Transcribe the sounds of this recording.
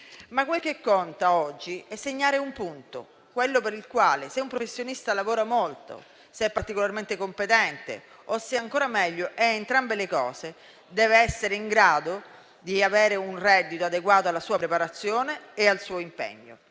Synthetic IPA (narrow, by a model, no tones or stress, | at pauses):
makːwelk̟ekːɔnt̪aɔd͡ʒːiɛsːeɲːaːɾeumpunt̪o̰ | kwelːopeɾilkwaːleseumpɾofesːjonist̪alavoːɾamolt̪o̰ | seɛpːart̪ikolarment̪ekompet̪ɛnt̪ḛ | osːeaŋkoːɾamɛʎːoʔɛent̪ɾambelekɔːse | d̪ɛːveɛsːeɾeiŋɡɾaːd̪o | d̪iaveːɾeunrɛd̪ːit̪oad̪eɡwaːt̪oalːasuːapɾepaɾat̪sːjoːneːalsuːoimpḛɲːo̰